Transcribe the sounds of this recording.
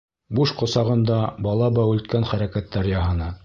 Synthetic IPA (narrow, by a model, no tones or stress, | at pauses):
buʃqŏsɑʁɤ̆nd̪ɑbɑlˠɑbɑʉlt̪̚kænχæɾækæt̪ːæɾjɑɦɤ̆nɤ